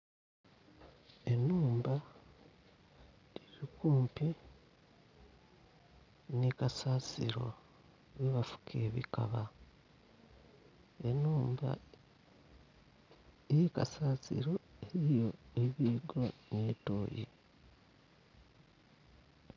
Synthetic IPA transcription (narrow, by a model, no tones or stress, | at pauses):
e̞nuːmba | ɾiɾikuːmpi | nikasaːsḭɾo̞̰ | βiβafu̥kʰe̞ːβḭka̰βa | e̞nuːmba̰ | ejeka̰saːsḭɾo̞eɾijo̞eβiːɡwanetoːjḭ